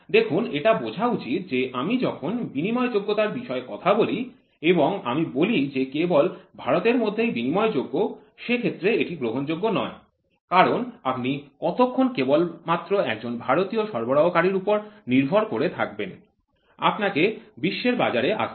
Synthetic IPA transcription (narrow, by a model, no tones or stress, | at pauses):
d̪ekʰuneʈabod͡ʑʱaut͡ɕit̪̚d͡ʑeʔamid͡ʑɔkʰonbinimɔed͡ʑoɡːot̪aɾbiʃɔekɔt̪ʰaboli | eboŋa̰mibolid͡ʑekebolbʱaɾot̪eɾmod̪ʱːejbinimɔed͡ʑoɡːoʃekʰet̪ːɾeeʈiɡɾoɦond͡ʑoɡːonɔe | kaɾonapnikɔt̪okʰːonkebolmat̪ːɾoɛk̚d͡ʑonbʱaɾot̪ioʃɔɾboɽaokaɾiɾupoɾniɾbʱoɾkoɾet̪ʰak̚ben | a̰pnakebiʃːeɾbad͡ʑaɾeʔa̰ʃʰ